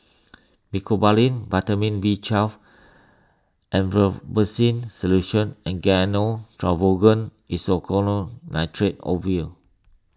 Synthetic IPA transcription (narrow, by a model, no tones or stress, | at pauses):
mikʰobalĩnvatəmĩnwit͡ʃaf | ʔɛ̃nvəbəsĩnsɔluʃə̃nɛ̃nɡɛnotʰɹavoɡə̃n | isɔkʰɔnonajtʰɹet̚ɔ̰vi